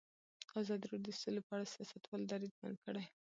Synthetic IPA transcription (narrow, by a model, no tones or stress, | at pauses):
ɑzɑd̪iɾud̪əsulopəaɽasijɑsat̪wɑld̪ɑɾid̪ba̰nd̪̚kəɽaj